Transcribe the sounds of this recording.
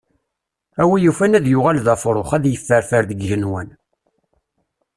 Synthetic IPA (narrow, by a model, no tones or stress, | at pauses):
æwijufænæðjʊʁælðæfɾˤoχæðjəfːəɾfəɾðəɡʝənwən